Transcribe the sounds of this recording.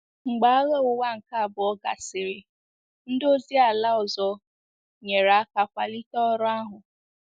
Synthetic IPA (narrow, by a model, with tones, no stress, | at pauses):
ŋ͡m̩˨ɡ͡ba˨a˦ɣe˦ʊ˨wa˦ŋ̩˨ka˦a˨bʊ˨ɔ˦ɡa̰˨sɪ˨ɾɪ˦ | n̩˦do˦zi˦a˨la˦ɔ˨zɔ˦ | ɲe˨ɾa˨a˦ka˨kʷa˨li˦tɔ˦ɾʊ˦a˦ɦʊ˨